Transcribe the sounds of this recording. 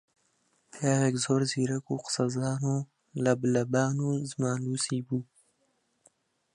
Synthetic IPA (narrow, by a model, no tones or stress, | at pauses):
pjaːɾekzoːɾziɾakuqsazaːno | lablɐbaːnuzmaːlusibu